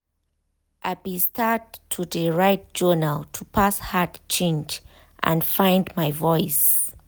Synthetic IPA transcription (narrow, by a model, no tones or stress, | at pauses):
ʔaɪbistʰatʰːudəɹaɪt̚d͡ʒɔnaltʰupʰashatt͡ʃẽnd͡ʒ | ʔã̰nfãj̃ndmajvɔɪs